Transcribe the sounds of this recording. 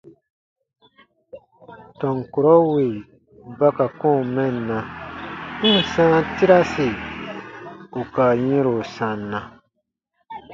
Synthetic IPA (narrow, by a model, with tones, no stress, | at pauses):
tɔ̃˨ŋko˨ɾɔ˦we˨ | ba˦ka˨kõ˦˨mɛ̃˦˨nã˨˦˨ | sã˦ti˦ɾa˦se˨ | u˨ka˨jĩ˦ɾo˨sã˨nã˨